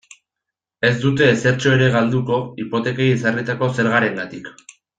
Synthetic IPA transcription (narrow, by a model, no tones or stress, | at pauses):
e̞zd̪ut̪e̞ːse̞ɾt͡ʃo̞e̞ɾe̞ɣald̪uko̞ipo̞t̪e̞kaisarit̪ako̞se̞ɾɣaɾeŋɡat̪ik